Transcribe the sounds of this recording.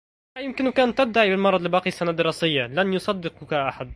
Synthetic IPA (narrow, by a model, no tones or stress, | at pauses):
hajɪmkɪnwɪkaːnt̪ːɪb̚d̪aʕibɪlmɑɾˤɑd̪ˤlɪbɑːqisːanad̪ːɪɾɑːsɪjːalanjʊsˤɑd̪ːɪqkaʔaħad̪̚